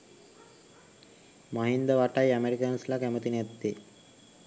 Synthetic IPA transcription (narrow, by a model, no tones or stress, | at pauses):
maɦind̪əʋaʈajæmeɾikənslakæmət̪inat̪ːe